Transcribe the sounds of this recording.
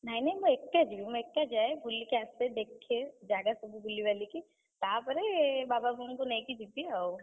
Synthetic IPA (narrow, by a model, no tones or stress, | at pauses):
nainɐĩmoekːad͡ʒbim̃eːkːad͡ʒaːebʱulikeast̪ed̪eːkʰːed͡ʒaːɡasɐbʱibʱulːiʋaːliki | t̪aːpəɾebaːbabʱuːnkonɐĩkid͡ʒit̪iaw